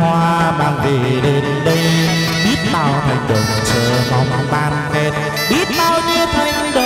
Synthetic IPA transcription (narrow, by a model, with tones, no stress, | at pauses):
hwaː˧ɓaː˧nve˨˩ɗe˧nɗə˧j | ɓi˦˥ət̚ɓaː˧wt̪ʰa˧˩jɗə˨˩ | t͡ɕəː˧˩mɔ˨˦wŋ͡mɓaː˧˩nfɛ˦˥t̚ | ɓi˦˥ət̚ɓaː˧wɲi˧əwt̪ʰa˨˧˩jŋ̟ɗə˨